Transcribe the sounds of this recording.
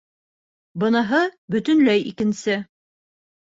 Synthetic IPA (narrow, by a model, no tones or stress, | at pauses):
bɤ̆nɑɦɤbɵ̆t̪ɘ̆nlæjḭkɘ̆nsɘ